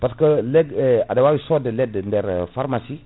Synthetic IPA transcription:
paskəlɛɡɛadɛwawisɔdəlɛdndɛɾfaɾmasi

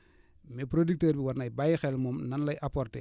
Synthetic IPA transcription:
mɛpɾodik̚təːɾbiwɐrnɐjbajxɛlmɔmnɐnlɐjʔapɔrtḛ

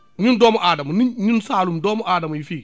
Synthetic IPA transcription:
ɲindomoʔadamniɲinsalumdomoʔadamjifi

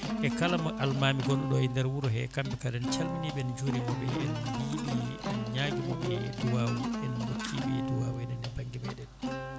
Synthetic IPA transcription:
ʔɛkalamaʔalmaːmiɡɔnɔɗɔɛndɛɾwuɾɔɦɛkambɛkadɛnt͡ʃalminibɛɛnd͡ʒuɾimɔbɛɛnbiːɗiɛnɲaːɡimɔ̰ɓɛduwaːwuɛnhokʰːiɓɛ̰duwaːwɛnɛnɛbaŋɡibɛ̰ɗɛn

